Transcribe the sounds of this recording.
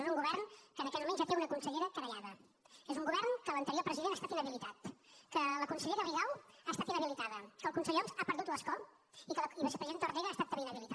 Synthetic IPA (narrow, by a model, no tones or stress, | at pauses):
nuŋɡuβɛrnkənəkɛt̪mumẽnʒat̪eunəkunsəʎeɾəkɾəjaðə | ezuŋɡuβɛrnkələnt̪əɾiopɾəziðenast̪at̪inəβilit̪at̪kələkunsəʎeɾəriɣawaːst̪at̪inəβilit̪aðəkəlˠkunsəʎɔzapəɾðut̪ləskɔ | ikəliβəse̥pɾəzient̪oriɣaːst̪at̪ːəmβeinəβilit̪a